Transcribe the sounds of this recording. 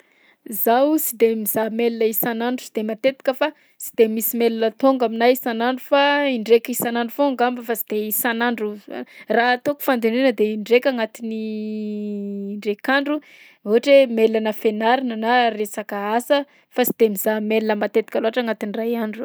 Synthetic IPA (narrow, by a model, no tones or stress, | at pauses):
zawt͡sid̪emizamelinəisanaɳɖ͡ʐusid̪̥emat̪et̪i̥kʲəfa | t͡si̥d̪̥emisimelinət̪oŋɡaminaisanaɳɖ͡ʐufaiɳɖ͡ʐekʲisanaɳɖ͡ʐufoŋɡambəfat͡si̥d̪̥eisanaɳɖ͡ʐuraɦt̪oku̥fand̪enenəd̪eiɳɖ͡ʐekʲaŋat̪ini | ɳɖ͡ʐekaɳɖ͡ʐu | oɦaʈ͡ʂemelanəfenaɾinənaresakəasə | fasi̥d̪̥emizamelinəmat̪et̪i̥kʲaloaʈ͡ʂaŋat̪inirajaɳɖ͡ʐu